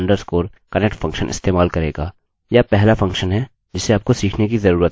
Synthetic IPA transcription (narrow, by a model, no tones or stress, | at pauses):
ɳɖəɾskoːɾ | kɐnɛk̚ʈfɐ̃ŋkʃənʔɪ̰st̪eːmaːlkɐɾeːɡaː | japɛɦlafɐ̃ŋkʃənɦɛ | d͡ʒɪseaːp̚kosiːkʰnek̬izɐɾuːɾət̪̚